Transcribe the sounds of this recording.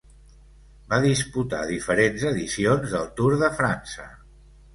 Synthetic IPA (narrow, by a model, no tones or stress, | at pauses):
baðisput̪a̰ðifəɾenzəðisionzðəlˠt̪uɾðəfɾansə